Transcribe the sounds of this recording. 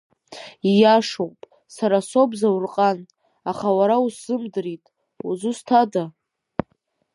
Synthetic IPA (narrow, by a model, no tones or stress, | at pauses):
ijaʂowʼpʼ | saɾaso̞bzawrqʼan | aχawaɾauszɨmdɨɾitʼ | uzustʰada